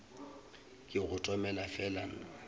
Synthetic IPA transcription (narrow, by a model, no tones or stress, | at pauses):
kʼɪɣʊtʼɔmɛlafɛlan̩